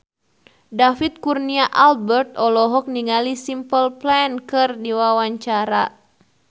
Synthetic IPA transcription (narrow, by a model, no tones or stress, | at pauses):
dafit̪̚kurniaʔalbɛrt̪̚ɔlɔɦɔk̚niŋalisimpəlplɛnkɨrdiwawaɲt͡ʃaɾa